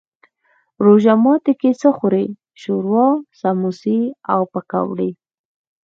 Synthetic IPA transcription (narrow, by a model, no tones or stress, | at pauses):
ɾoʒamɑt̪ekesəxʊɾe | ʃuɾwɑsamusia̰wpaka̰wɽi